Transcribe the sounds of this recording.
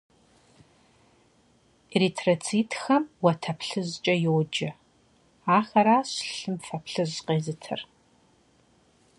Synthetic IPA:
eritʰrɐt͡sʰiːtʰxɐmwɐtʰɐpʰɬɨʑt͡ʃʼɐjowd͡ʒɐ | aːxɐɾaːɕɬɨmfɐpɬɨʑqeːzɨtʰɨ̰r

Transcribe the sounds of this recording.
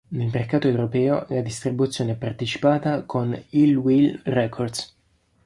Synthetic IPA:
nelmerkaːt̪oewɾopɛːo̰lad̪ist̪ɾibut̪sːjoːneɛpart̪et͡ʃi̥paːt̪akʰonilwilrɛkʰord̪s

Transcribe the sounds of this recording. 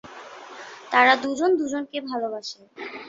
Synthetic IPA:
t̪aɾad̪ud͡ʑond̪ud͡ʑonkebʱalobaʃe

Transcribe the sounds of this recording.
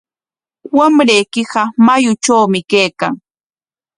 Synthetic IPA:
wamɾejkɪɢɑmajʊt͡ʃawmɪkejkaŋ

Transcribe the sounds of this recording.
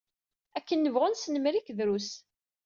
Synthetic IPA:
ækːənːəvʁʊnsnəmɾikðɾus

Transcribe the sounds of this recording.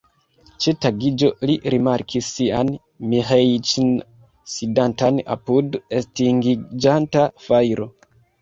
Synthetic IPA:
t͡ʃetaɡid͡ʒo̞liɾimaɾkʰisːian | mihejt͡ʃn | sidantana̰pudestiŋɡid͡ʒantafajɾo̞

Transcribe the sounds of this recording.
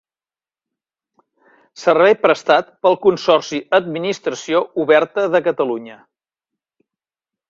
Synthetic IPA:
sərβɛjpɾəst̪at̪pəlˠkunsɔrsiəd̪̚minist̪ɾəsiouβɛɾt̪əðəkət̪əluɲə

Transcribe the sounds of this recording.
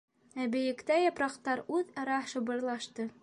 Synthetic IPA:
æbɘ̆jɘ̆kt̪æjɑpɾɑqt̪ɑɾʉðɑɾɑʃɤ̆bɤ̆ɾlˠɑʃt̪ɤ

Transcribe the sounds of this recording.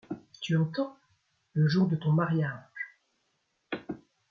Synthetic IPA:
t̪yɑ̃t̪ɑ̃ | ləʒuʁd̪ət̪ɔ̃maʁjaʒ̥

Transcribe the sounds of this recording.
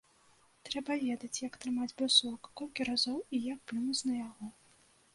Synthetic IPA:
t̪ɾɛbɐvʲed̪ɐt͡sʲjɐkt̪ɾɨmad͡zʲbɨsɔkɐ̥kɔlʲkʲiɾazɔwijak̚pɨnut͡sʲnɐjaɣɔ

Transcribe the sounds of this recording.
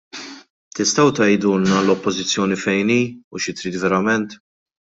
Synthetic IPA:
t̪ɪst̪ɐwt̪ɐjd̪uːlnɐlɔpːɔzɪt͡sːjɔːnifɛjniːuʃɪt̪ɾiːt̪vɛɾɐmɛnt̪

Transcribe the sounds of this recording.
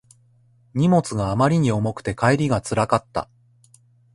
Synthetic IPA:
ɲ̟imo̞t͡sɨɡaːmaɾʲiɲ̟io̞mo̞kɯ̥t̪e̞kaeɾʲiɡat͡sɨɾakat̪ːa̰

